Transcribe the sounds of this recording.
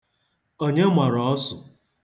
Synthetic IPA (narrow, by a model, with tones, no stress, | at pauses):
o˦ɲe˦mʷa˨ɾɔ˨˦sʊ˨